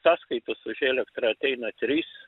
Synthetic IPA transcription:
sɑːskɐɪt̪ɐsʊʒʲeːlʲɛkt̪ɾɐɐt̪ʲɛɪnɐt̪ʲɾʲiːs

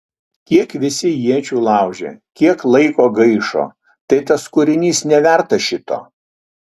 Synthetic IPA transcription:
kʲiɛkʋʲɪsʲɪjiɛt͡ʃʲuːlˠɑˑʊʒʲḛːkʲiɛklˠɐɪkoːɡɐɪʃo̰ː | t̪ɐɪt̪ɐskʊɾʲɪnʲiːsnʲɛʋʲæˑɾt̪ɐʃʲɪt̪o̰ː

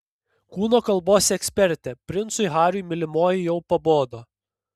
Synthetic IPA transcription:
kuːnoːkɐlˠboːsʲɛksʲpʲɛɾʲt̪ʲɛpʲɾʲɪnt̪sʊɪɣɑːɾʲʊjmʲɪlʲɪmoːjɪjɛʊpɐboːd̪oː

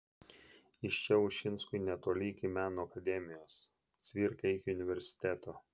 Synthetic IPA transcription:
ɪʃt͡ʃʲɛʊʃʲɪnskʊɪnʲɛt̪oːlʲɪɪkʲɪmʲæːnoːɐkɐd̪ʲɛmʲɪjoːs | t̪sʲʋʲiɾʲkʲɛɪkʲɪʊnʲɪʋʲɛɾʲsʲɪ̥t̪ʲæːt̪oː

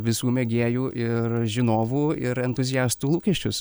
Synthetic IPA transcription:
ʋʲɪsuːmʲɛɡʲeːjuːʔɪrʒʲɪnoːʋuːɪɾɛnt̪ʊzʲɪjæːst̪uːlˠuːkʲɛʃʲt͡ʃʲʊs

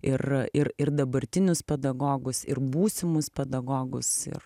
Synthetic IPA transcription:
ɪrɪɾɪrd̪ɐbɐɾʲt̪ʲɪnʲʊspʲɛd̪ɐɡoːɡʊsɪrbuːsʲɪmʊspʲɛd̪ɐɡoːɡʊsɪ̰r

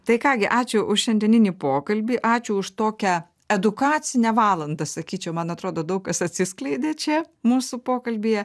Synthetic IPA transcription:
t̪ɐɪkɑːɡʲɪʔɑːt͡ʃʲʊʔʊʃʃʲɛnʲd̪ʲɛnʲɪnʲiːpoːkɐlʲbʲiːʔɑːt͡ʃʲʊʊʃt̪oːkʲɛ | ɛd̪ʊkɑːt͡s̪ʲɪnʲɛʋɑːlˠɐnd̪ɐsɐkʲiːt͡ʃʲɛʊmɐnɐt̪ɾoːd̪oːd̪ɐʊk̚kɐsɐt̪ʲsʲɪsklˠɐɪd̪ʲeːt͡ʃʲɛmuːsʊpoːkɐlʲbʲiːjɛ

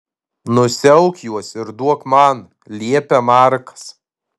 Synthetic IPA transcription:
nʊsʲɛʊkjuɔsɪɾd̪uɔkmɐn | lʲiɛpʲɛmɑɾkɐ̥s

